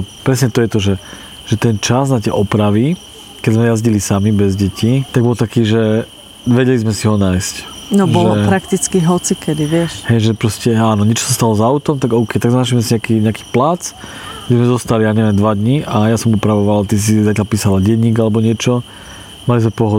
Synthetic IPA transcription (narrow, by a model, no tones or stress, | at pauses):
pɾɛsɲɛt̪ɔjɛt̪ɔʒɛ | ʒ̥ɛt̪ɛnt͡ʃaznat̪ɪɛʔɔpɾaʋi | kɛzmɛjazɟilisamibɛzɟɛcʰit̪aɡ̚bɔlˠt̪akiːʒɛ | ʋɛɟɛlizmɛsiɦɔnaːjscnɔbɔʒlɛlɔpɾakt̪it͡skiɦɔt͡sikɛd̪iʋɪɛʃɦɛjʒɛpɾɔscɛaːnɔɲɪɛt͡ʃɔ̥sast̪alɔzaʊt̪ɔmt̪aɡɔʊkɛjt̪aɡznaːʃimɛsiɲakiɲɛaki̥ːplat͡s | ɡɟɛzmɛzɔst̪alijaːɲɛʋɪɛmd̪ʋad̪ɲiʔajasɔmupɾaʋɔʋalt̪is̬izacalpiːsalaɟɛɲiːɡalɛbɔɲɪɛt͡ʃɔ | malizmɛpɔɦɔ